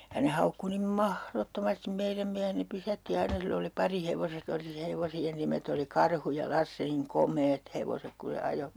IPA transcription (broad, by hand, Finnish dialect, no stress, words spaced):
jɑ ne hɑukːu nim mɑhrotːomɑstim meiræm miæhen ne pysætːi ɑinɑ silː oli pɑriheʋoset oli se heʋosien nimet oli kɑrhu jɑ lɑsːe niŋ komˑeːt heʋosek ku se ɑjo